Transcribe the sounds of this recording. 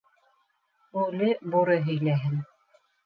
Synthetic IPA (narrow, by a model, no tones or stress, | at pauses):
ʉlɘbuɾɤɦɵ̆jlæɦɘn